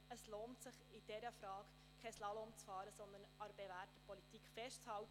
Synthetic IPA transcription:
əsloːntsɪχɪd̥ɛɾəfrɑːk | kʰːɛslɑlɔmt͡sfɑːɾəsɔnd̪ənɑɾb̥evæːɾtəpɔlit̪iːkχfɛʃtt͡shɑwt

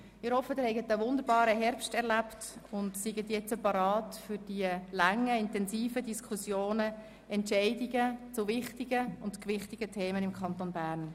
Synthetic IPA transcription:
ɪhɔfəd̥ɪːɾhɛɪɡətəʋʊnd̪əɾbɑːɾəɦɛɾpʃtɛɾlæptʊndsɪɡətjɛt͡səpɑɾɑːtfʏɾd̥iəlaŋːəɪntɛnsiːfədiskʰusjoːnə | ɛntʃɛɪdiɡət͡sʊʋɪχtiɡəʊntkʋɪχtiɡətʰeːmənɪmkʰɑnt̪onbæːɾn

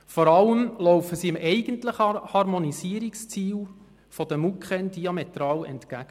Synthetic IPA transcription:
fɔɾɑləmlɔwfəsiɪmɛɪɡəntləχhɑɾmonisiəɾikst͡siːl | fod̥̪əmukχɛnd̥iɑmet̪ɾɑːlɛ̰ntkæɡ̥ə

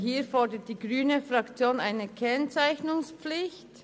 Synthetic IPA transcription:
hiːfɔʁdət̚d̥iːɡʁyːnəfʁɑkt͡sjoːnaɪnəkʰɛnt͡saɪçnʊŋspflɪçt

